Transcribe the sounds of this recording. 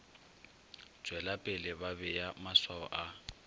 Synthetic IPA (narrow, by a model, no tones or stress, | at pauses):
t͡sʼwɛlapʼɪlɪbabɛjamaswaɔ̰ʔa